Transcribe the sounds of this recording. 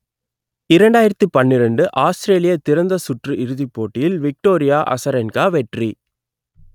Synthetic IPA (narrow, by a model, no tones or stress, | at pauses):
ɪɾɐɳɖaːjɪɾɐt̪ːɯpɐnːɪɾɐɳɖɯʔaːsʈɾeːlɪjɐt̪ɪɾɐnd̪ɐsʊʈrɯɪɾɯðipːoːʈːɪjɪlʋɪk̚ʈoːɾɪjaːʔɐ̰sɐɾɛnkaːʋɛʈri